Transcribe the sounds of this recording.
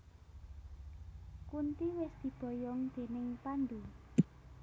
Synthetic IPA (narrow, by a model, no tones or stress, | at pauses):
kunt̪iwɪsd̪̥i̤b̥ɔ̤jɔŋd̪̥e̤nɪŋpand̪u